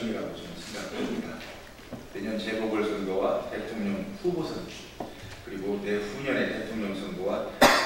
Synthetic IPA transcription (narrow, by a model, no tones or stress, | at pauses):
ŋiɾaɡot͡ɕinɯnsʰeŋɡakʰesimɲida | teɲʌnt͡ɕe̞bʌbɯɭsʰʌnɡʌwate̞tʰoŋɲʌŋɸubosʰʌni | kɯɾiɡote̞ɸuɲʌne̞te̞tʰoŋɲʌŋsʰʌnbowa